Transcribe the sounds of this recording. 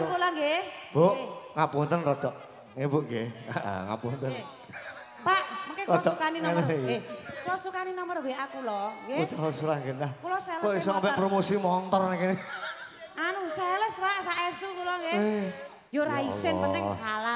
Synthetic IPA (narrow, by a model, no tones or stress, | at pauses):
kulɔŋɡeb̥oʔŋapunt̪ənrɔd̪̥ɔʔ | ŋibuʔɡeaʔa̰ŋa̰punt̪ən | paʔŋkerɔɔd̥ɔkaninɔnɡeklɔsukaninɔmərbeʔakulɔɡeut̪aɦusɾaŋɡenakulɔsɛlkoisɔŋampɛpɾomosimɔnt̪ɔrnakini | anusɛləspaʔsaʔɛst̪ukulɔŋɡe | joɾaisɪnpət̪ɛɦala